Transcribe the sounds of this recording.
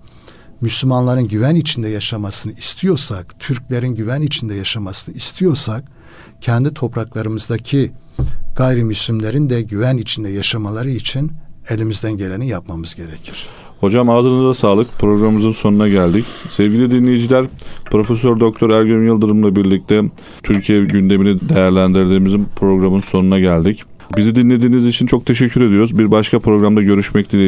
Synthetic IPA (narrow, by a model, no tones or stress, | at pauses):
myslʲymanlˠaɾɯnɟyvænit͡ʃʰind̪ɛjaʃamasɯnɯist̪ʰijo̞ɾsakt̪ʰyɾclʲe̞ɾinɟyvænit͡ʃʰind̪ɛjaʃamasɯnɯist̪ʰijo̞ɾsak | cʰɛnd̪it̪ʰo̞pɾaklˠaɾɯmɯzd̪acʰi | ɡ̥ajɾimyslʲymlʲe̞ɾind̪ɛɟyvænit͡ʃʰind̪ɛjaʃamalˠaɾɯit͡ʃʰine̞lʲimizd̪ænɟe̞lʲe̞nijapmamɯzɟe̞ɾe̞cʰiɾ̥ | ho̞d͡ʒamaːzɯɾɯnɯzd̪asaːlˠɯkpʰɾo̞ɡɾammɯzɯnso̞nunaɟælʲd̪icsɛvɟilʲid̪inlʲejid͡ʒilʲæɾ̥pʰɾo̞fesøɾd̪o̞k̚t̪ʰo̞ɾæɾɟønjɯlˠd̪ɯɾɯmlˠabiɾlʲic̚t̪ʰɛ | t̪ʰyɾcʰijɛɟynd̪e̞minid̪e̞jæɾlʲænd̪iɾd̪iːmizinpʰɾo̞ɡɾamɯnso̞nunaɟælʲd̪ic | bizid̪inlʲe̞d̪iːnizit͡ʃʰint͡ʃʰo̞k̚t̪ʰe̞ʃ̬ɛcʰːyɾe̞d̪ijoɾuzbiɾbaʃkʰapʰɾo̞ɡɾamd̪aɟø̞ɾyʃmɛc̚d̪ilʲɛ